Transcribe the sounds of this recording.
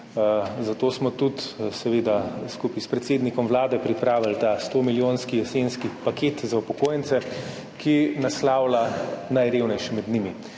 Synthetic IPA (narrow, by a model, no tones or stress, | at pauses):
zat̪oːsmɔt̪ut̪sɛʋeːd̪askupispɾɛt̪seːd̪nikɔmʋlaːd̪ɛpɾipɾaːʋilt̪ast̪oːmiljoːnskiɛsenskipaket̪zaupɔkoːjɛnt̪sɛ | kʰinaslaːwlanajɾeːwnɛjʃimɛd̪nimi